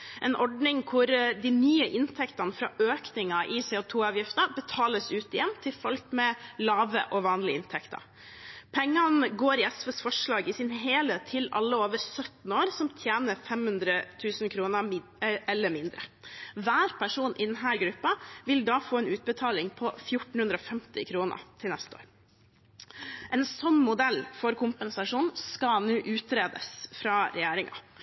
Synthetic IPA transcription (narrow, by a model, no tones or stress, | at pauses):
ʔɛnʔɔɖɳɪŋkʰʊɾd̪ɪnyːəʔɪnt̪ʰɛkt̪ɑnfɾɑ̰ːʔøːknɪŋɑʔɪseːʊːt̪ʰuːɑːʋjɪft̪əbət̪ʰɑːləsʉːt̪ɪjɛmːt̪ʰɪlfɔlkmɛlɑːʋə̰ʔɔʋɑːnlɪɪnt̪ʰɛkt̪ɑ̰ | pʰɛŋːɑnɡoːɾɪɛsʋəsfɔʂɭɑːɡɪsɪnɦeːləːt̪ʰːɪlɑ̰lːəoːʋəɾsœt̪n̩oːɾsɔmt̪ʰjeːnəɾfɛmhʉnd̪ɾət̪ʰʉːsnkʰɾuːnə | ɛlːəɾmɪnd̪ɾəʋæːɾpʰæʂuːnʔɪd̪ɛnɦæːɾɡɾʉpːɑʋɪld̪ɑːfoːɛːnʉːt̪̚bət̪ʰɑːlɪŋpʰɔfjʊʈɳ̩hʉnd̪ɾəɔfɛmt̪ɪ̰kʰɾuːnə̰ɾt̪ʰɪlnɛst̪əo̰ːɾ | ʔɛːnsɔmːmʊd̪ɛlːfɔɾkʊmpənsɑʂuːnskɑnuːʔʉːt̪ɾeːd̪ə̰sfɾɑːɾɛjeːɾɪŋɑ̰